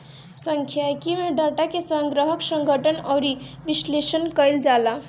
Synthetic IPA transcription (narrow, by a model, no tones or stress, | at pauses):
səŋkʰjajkimeɖaʈakesəŋɡɾəɦəksəŋɡʱəʈʰənʌwɾi | bislesənkəjld͡ʒala